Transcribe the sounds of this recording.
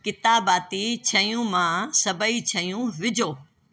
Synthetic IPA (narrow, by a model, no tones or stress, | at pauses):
kɪt̪aːbaːt̪it͡ɕʰɐjũmãsɐbəit͡ɕʰɐijũʋɪd͡ʑʱoː